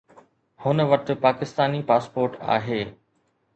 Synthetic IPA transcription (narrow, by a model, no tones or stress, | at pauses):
hʊnəʋɐʈ̪̆paːkɪst̪aːnipaːspoːɾʈa̰ːɦeː